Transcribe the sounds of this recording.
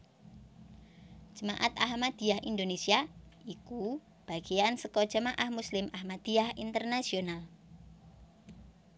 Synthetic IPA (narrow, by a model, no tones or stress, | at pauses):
ʒ̥ə̤maʔat̪aɦmad̪̥i̤ahind̪onesiaiku | b̥a̤ɡ̥ejansəkɔd̥ʒ̥əmaʔahmuslɪmʔahmad̪̥iahint̪ərnasional